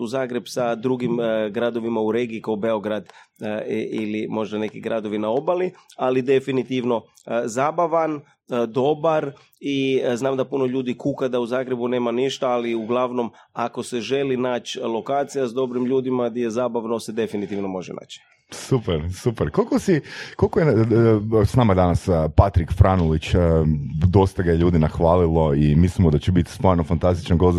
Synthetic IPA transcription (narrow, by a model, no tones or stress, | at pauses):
uzaːɡɾe̞bsad̪ɾuɡimɡɾad̪o̞ʋimauɾeːɡiikaobeoɡɾad̪ | ilimo̞ʒd̪ane̞kiɡɾad̪o̞ʋinao̞balialid̪e̞finit̪iʋno̞ | zaːbaʋan | d̪o̞baɾ | iznaːmd̪apuno̞ʎuːd̪ikukad̪auzaːɡɾe̞bune̞ːmaniʃt̪aaliuɡlˠaʋno̞mako̞se̞ʒe̞linaːt͡ɕlˠo̞kaːt̪sijazd̪o̞bɾimʎuːd̪imaɡd̪jeezaːbaʋnosed̪e̞finit̪iʋnomo̞ʒena̰ːt͡ɕi̥ | supeɾsupeɾkolkosikolkoje | snaːmajed̪anaspat̪ɾikfɾanulit͡ɕː | d̪o̞st̪aɡajeʎuːd̪inaxʋaːlilˠo̞imislimod̪at͡ɕebit̪i̥sponofant̪ast̪i̥t͡ʃanɡost̪